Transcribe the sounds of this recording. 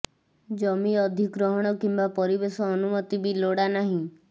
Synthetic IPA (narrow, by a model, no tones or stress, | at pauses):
d͡ʒɔmiɔd̪ʱikɾɔɦɔɽ̃ɔkimbapɔɾibesɔːnumɔt̪ibiloɽanaɦĩ